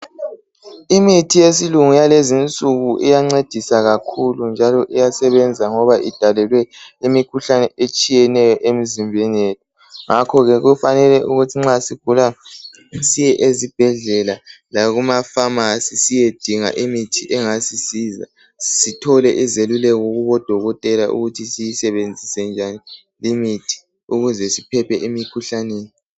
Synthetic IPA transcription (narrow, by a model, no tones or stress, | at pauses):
imitʰijesiluŋujalezint͡sʼuɣuʔḭjaŋ͡ǀed̥ʱisaɣakʰulund͡ʒʱalɔʔijasɛβɛnd͡zʱaŋɔβaʔid̥ʱalɛlwɛimikʰuɬanɛet͡ʃʼijɛnɛjɔʔem̩zimbʱɛnetʰu | ŋakʰɔɣɛɣufanɛlɛʔuɣutʰiŋ͡ǁasiɡ̥ʱula | sijɛʔezib̥ʱɛɮɛlalaɣumafamasisijed̥ʱiŋa̰ʔimitʰiʔɛŋasisiza̰ | sitʰɔlɛʔizelulɛɣoɣuβɔd̥ʱɔɣɔtʼɛlaʔṵɣutʰisijisɛβend͡zʱisɛnd͡ʒʱani | limitʰi̥ | uɣuzɛsipʰɛpʰɛʔemikʰuɬaneːni